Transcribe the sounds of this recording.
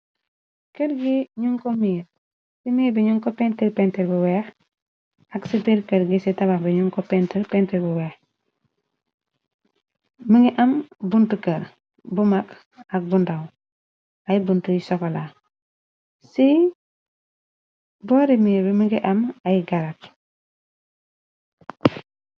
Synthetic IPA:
kəɾɡiɲuŋkɔmiːɾ | simiːɾbɛɲuŋkɔpɛntilpɛntɛlbuwɛx | ɐksipiɾkəɾɡisitɐbaxbɛɲuŋkɔpɛntɛlpɛntɛlbuwɛːx | məŋɡiʔɐmbuntukəɾ | bumak | ɐk̚bundaw | ajbuntujisɔkɔla | si | bɔːɾimibiməŋɡiʔɐmajɡaɾak̚

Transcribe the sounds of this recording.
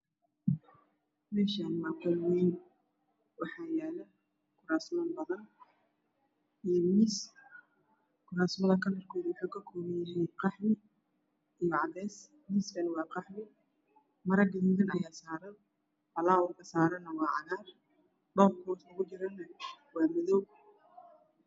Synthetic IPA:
mɛːʃaːnmaːqɔlwɛjn | wɑħɑːjaːlɐ | kʰʊɾaːsmɐbɐðɐn | ʔijmiːs | kʰʊɾaːsmɐðɐkʰɐnɐrkʰɔːðwʊħuːkʰɐkʰɔːmɛjɪɦɛqɑħmɪ | ʔijɔʕɑdɛːs | miːskɐnɪwɑːqɑħmɪ | mɐɾɐɡɪðid̪ɐnɐjaːsaːɾɐn | fɐlaːwʊkʰɐsaːɾɐnːɐwɑːʕɑ̰naːr | ɖɔːbkʰɔːslɐɣʊt͡ʃɪɾɐnːɐwɑːmɪðɔw

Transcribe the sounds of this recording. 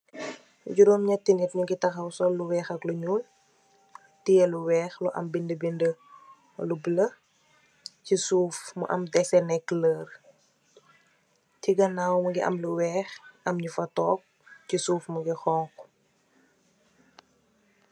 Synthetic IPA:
ɟuɾɔmɲɐtːinitɲuɡitɐxɐwsɔlːuwɛːxɐkluɲuːl | tijɛluwɛːxluʔɐ̰mbindəbində | lublə | cisuːfmṵʔɐ̰mdɛsɛnɛkːləːr | tiɡɐnaːwmɐɡiʔɐ̰mluwɛːxʔɐmɲufɐtɔːp̚cisuːfmuɡixɔːŋk

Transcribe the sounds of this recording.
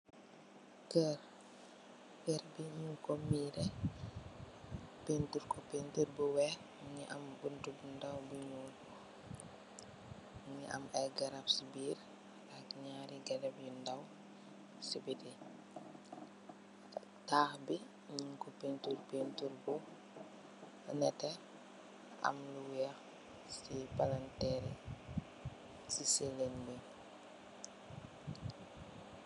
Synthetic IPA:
kɛɾ | kɛɾbiɲiŋkɔmiːɾɛ | pentuɾkɔpentuɾbuwɛɾ | ɲiʔɐmbuntubundawbuɲuːl | ɲiʔa̰majɡaɾapsibiːɾ | ʔakɲaːɾiɡadɛbjundaw | sibiti | taːxbi | ɲiŋkɔpentuɾpentuɾbu | nɛtɛ | ɐ̰mluwɛx | sipalantɛɾɛ | sisɛlenbi

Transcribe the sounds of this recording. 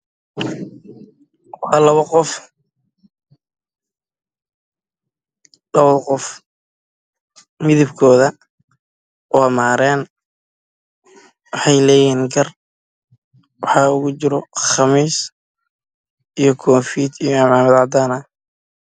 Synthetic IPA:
wħɑːlɐβɐqɔf | ɖɐβɐðqɔf | mɪðɪbkʰɔːðɐ | ʔɔːmaːɾɛːn | wɑħɑjlɛːjɛːnɡɐr | wɑħɑːʊɣʊt͡ʃɪɾɔχɑmiːs | ijɞkʰɔːfiːt̪ijɔamaːmɐðaʕd̪aːnɐ

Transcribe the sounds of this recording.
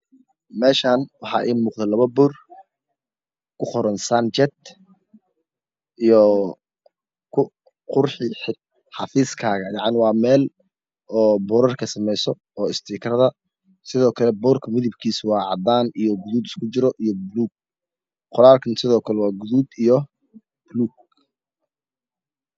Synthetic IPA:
mɛːʃaːnwɑħɑ̰ːʔḭːmuːqðɛlɐβɐbʊr | kʰʊχɔɾɐnsɐnt͡ʃɛt̪ | ʔijɔ | kʰʊ | qʊrħɪħɪ | ħɑfiːskʰaːɣɐjɑʕnɪwɑːmɛːl | ɔːbɔːɾɐrkʰɐsɐmɛjsɔ | ɔːɪst̪ʰiːkʰrɐðɐ | sɪðɔːkʰɐlɛbɔːrkʰɐmɪðɪbkʰiːswɑːʕɑ̰d̪aːnijɔɡʊðuːd̪ɪskʰʊt͡ʃɪɾɔʔijɔbʊluːɡ̚ | qɔɾaːlkʰɐnsɪðɔːkʰɐlɛwɑːɡʊðuːd̪ijɔ | b̥ʊluːɡ̚

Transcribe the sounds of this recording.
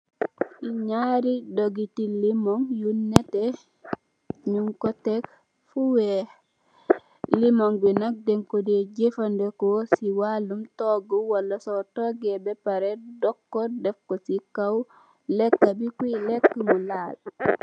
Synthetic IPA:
ʔiɲaɾidoɡitilimoŋjunːete | ɲuŋkotek | fuwe | limoŋbinak̚deŋkodeɟefandekosiwalumtoɡuwalːasotoɡebepaɾedokːodefkosikaw | lekːabikilekːamulaːl

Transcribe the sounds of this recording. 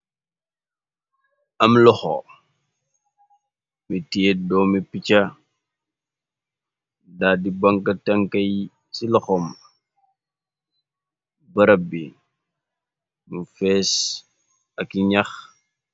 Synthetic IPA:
ɐmlɔxɔ̰ | mitiedɔːmipit͡ʃɐ | dadibɐŋkɐtɐŋkɐj | silɔxɔm | bɐɾɐbi | mufɛːs | ɐkiɲɐx

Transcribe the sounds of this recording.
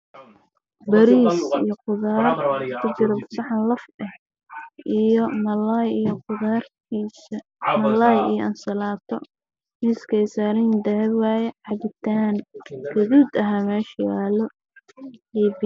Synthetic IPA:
bɐɾiːsḭjɞqʊðaːrkʰʊt͡ʃɪɾɐbʊsɐħɑnlɐfɛh | ʔijɔmɐlajijqʊðar | mɐlaːjḭjɔʔɐnsɐlaːt̪ʰɔ | mɪskʰɛjsaːɾɪjnd̪ɐɛwajɛʕɑβɪt̪ʰaːnɡ̥ɐðuːd̪ɐɦaːmɛːʃjaːlɔ | iːbi

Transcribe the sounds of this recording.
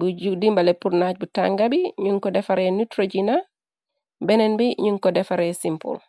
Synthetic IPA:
bud͡ʒudimbalepuɾnac̚buta̰ŋɡabiɲuŋkɔdɛfaɾɛnutɾoɟina | bɛnɛnbiɲuŋkɔdɛfaɾɛsimpo̰l

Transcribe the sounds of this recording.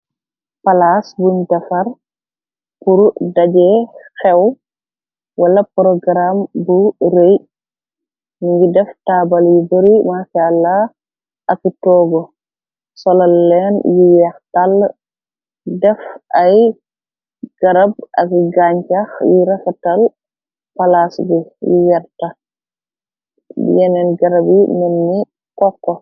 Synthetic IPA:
palasbuntɐfɐɾ | puɾdaɟɛxɛw | walɐpɾɔɡɾambuɾej | niɡidɛftaːbaljibɔɾimaʃalːa | ʔɐkitɔːɡɔ | sɔlalːɛnjijɛxtal | dɛfʔaj | ɡ̥aɾab̚ʔa̰kiɡaɲt͡ʃaxjiɾɛfatal | palasɡujijɛɾta | jɛnɛnɡaɾabimenːi | kɔkːɔ

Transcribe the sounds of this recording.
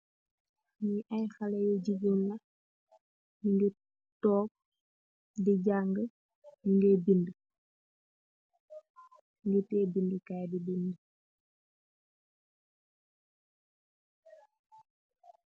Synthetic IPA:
ɲiʔɐjxɐlɛjɔɟiɡonnɐ | jiŋɡi | tɔːk̚ | diɟaŋɡə | juŋɡɛːbində | ŋɡitɛːbindəkajdibində

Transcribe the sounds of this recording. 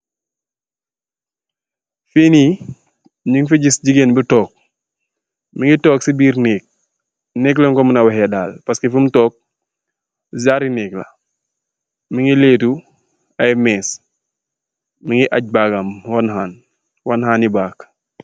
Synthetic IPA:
fiːniː | ɲuŋfiɟisɟiɡenbitɔːk̚ | miŋitɔːksibiːɾnɛːk̚ | nɛːk̬lɔŋkɔmənawɛɦɛdaːlpɐskefumtɔːk̚ | zaɾinɛːklɐ̰ | miŋileːtu | ɐjmɛːs | miŋiʔaɟ̚baɡamwanɦaːn | wanhaːnibaːk

